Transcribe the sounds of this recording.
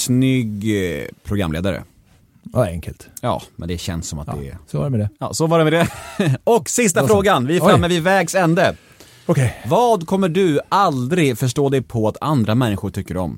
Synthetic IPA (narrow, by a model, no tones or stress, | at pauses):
snʏɡpʰɾʊɡɾa̰mlḛːd̪aɾə̰ | aɛ̰ŋkʰə̰lt̪jɑ̰ːmɛ̰nd̪ɛɕɛ̰nsːɔmat̪d̪ɛ̰sɔvaɖɛmɛd̪ɛjɑ̰ːsɔvaɖɛmɛd̪ɛɔkːsɪst̪afɾoːɡanvɪɛɾfɾamːəvɪvɛːɡsɛnd̪ə | ɔkʰɛvɑːd̪kʰɔmːəɖɵald̪ɾɪɡfœʂ̬ʈoːd̪ɛjpʰɔat̪ʰa̰nd̪ɾamɛnːɪɧʊʈʰʏkːəɾɔ̰m